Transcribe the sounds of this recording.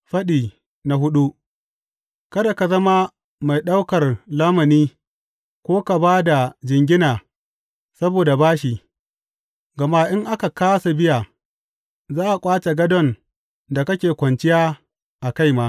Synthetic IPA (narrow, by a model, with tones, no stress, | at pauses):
ɸɐ˦ɗiː˨ | na˨ɦʊ˦ɗu˦ʔ | kɐ˦da˨ka˨zɐ˦ma˦ | ma˨jɗa˦wkɐ˨rlaː˦mɐ˨niː˦ | kʷoː˦ka˨baː˦da˨d͡ʒɪ˨ŋɡʲɪ˦naː˨ | sɐ˦boː˨da˨baː˦ʃ̬i˨ | ɡɐ˨ma˦ʔɪ˦ŋʔa˦ka˨kaː˦sa˨bɪ˦ja˨ | zaː˦ʔa˨kʷʼaː˦t͡ʃe˨ɡɐ˦dɔ˦n | da˨kɐ˦kʲeː˨kʷɐ˨nt͡ʃɪ˦jaː˦ | ʔa˨ka˦˨jmaː˦